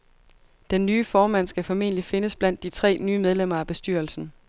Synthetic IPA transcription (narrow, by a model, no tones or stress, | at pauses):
d̥enːyːfɒːmæn̰sɡ̥æfɒ̽me̝̰ːnəlife̝nəsb̥læn̰d̥ːit͡sʰʁɛ̰ːnyːmeð̞ˠlem̰ɐæb̥e̝sd̥yɐl̩sn̩